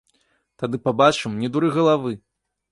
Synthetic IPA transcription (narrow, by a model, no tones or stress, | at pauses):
t̪ad̪ɨpabat͡ʂɨmnʲɛd̪uɾɨɣɐlˠavɨ